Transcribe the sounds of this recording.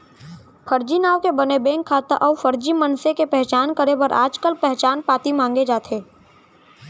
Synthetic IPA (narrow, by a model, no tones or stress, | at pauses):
pʰəɾd͡ʒinaːʋkebɐnebẽːŋkʰːaːt̪aʔɔːʋfəɾd͡ʒimənsekepɛɦt͡ʃaːnkəɾebəɾʔaːd͡ʒkəlpɛɦt͡ʃaːnpaːt̪imãːŋɡed͡ʒaːt̪ʰeː